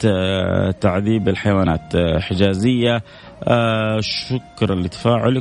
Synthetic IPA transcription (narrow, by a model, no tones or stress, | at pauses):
t̪aʕðiːbɪlħajwaːna̰ːt̪ħɪd͡ʒaːzɪjːa | ʃʊkɾˤlit̪ḁfaːʕɪl